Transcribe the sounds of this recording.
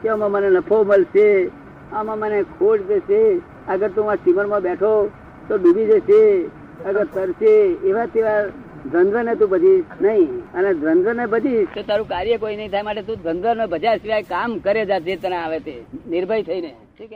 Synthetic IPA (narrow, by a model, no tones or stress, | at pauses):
keəmãmənenəpʰoməlʃe | əmãmənekʰoɖd͡ʒeʃe | əɡəɾt̪ũãsiməɳmãbɛʈʰo | t̪obibid͡ʒese | əɡəɾt̪əɾʃeeʋat̪eʋa | d̪ɾənd̪ʋənet̪̬ũbəd͡ʒ̪ʱinəɦĩəned̪ɾənd̪ʋənebəd̪ʱit̪ot̪aɾũkaɾjəkoinəɦĩt̪ʰajmaʈet̪ũd̪ənd̪ʋənebəd͡ʒasiʋajkamkəɾed͡ʒad͡ʒet̪əneaʋet̪enɪɾbʱəit̪ʰəine